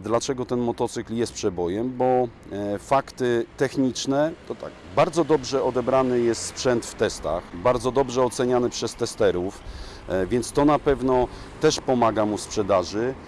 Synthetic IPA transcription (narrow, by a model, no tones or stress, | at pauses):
d̪lat͡ʂɛɡɔt̪ɛnmɔt̪ɔt̪sɘkljɛst̪pʂɛbɔjɛmbɔ | fakt̪ɘt̪ɛxɲit͡ʂnɛt̪ɔt̪a̰k | baɾd̪zɔd̪ɔbʐɛɔd̪ɛbɾanɘjɛst̪spʂɛnt̪ft̪ɛst̪a̰xbaɾd̪zɔd̪ɔbʐɛɔt̪sɛɲanɘpʂɛst̪ɛst̪ɛɾuf | vʲjɛnt̪st̪ɔnapɛvnɔ | t̪ɛʂpɔmaɡamuspʂɛd̪aʐɘ